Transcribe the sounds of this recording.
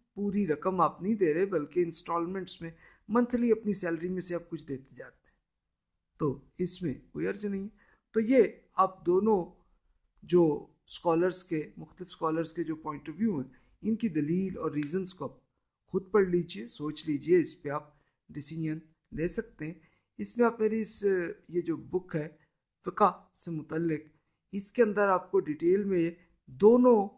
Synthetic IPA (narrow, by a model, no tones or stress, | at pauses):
puːɾiɾɐkəmaːpnɐɦĩd̪eːɾɐebɐlkeɪ̃nsʈɔːlmẽɳʈsmẽ | mɐ̃nt̪ʰliɐpnisɛːləɾimẽseaːp̚kʊt͡ʃʰd̪eːt̪e̥d͡ʒaːt̪eɦɛ̃ | t̪oː | ɪsmḛ̃koiɐɾd͡ʒnɐɦĩɦɛ | t̪oje | aːp̚d̪oːnõ | d͡ʒoː | skɔːləɾzkemʊxt̪əlɪfskɔːləɾzked͡ʒoːpɔ̃ːɪ̃ɳʈɔʋjuɦɛ̃ | ɪnkid̪ɐliːlɔ̰ːɾːiːzənskoaːp̚ | xʊd̪̚pɐɽliːd͡ʒiesoːt͡ʃliːd͡ʒieɪspeaːp̚ | ɖɪsɪd͡ʒən | leːsɐk̚t̪eɦɛ̃ | ɪsmẽaːpmeːɾeɪsjed͡ʒoːbʊkʰɦɛː | fɪkasemʊt̪əlːɪk | ɪskeɐ̃nd̪əɾaːp̚koɖiːʈeːlmẽe | d̪oːnõ